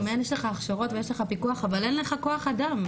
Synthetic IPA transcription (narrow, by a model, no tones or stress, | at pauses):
meenjeʃleχaːχʃaʁo̞tvejeʃleχapikuaχavale̞nle̞χako̞aχadam